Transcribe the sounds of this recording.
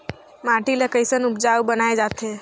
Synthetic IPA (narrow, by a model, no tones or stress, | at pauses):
maʈilekəjsənupd͡ʒawbənaed͡ʒat̪ʰe